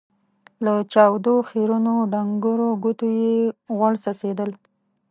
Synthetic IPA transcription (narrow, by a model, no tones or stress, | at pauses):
lat͡ʃɑwd̪oxeɾunoɖaŋɡəɾoɡut̪ojeɣwaɽsased̪əl